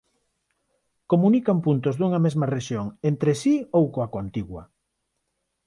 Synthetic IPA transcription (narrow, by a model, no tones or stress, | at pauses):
komunikampunt̪ozðuŋɐmezmɐreʃjoŋent̪ɾesiowkoakant̪iɣwɐ̰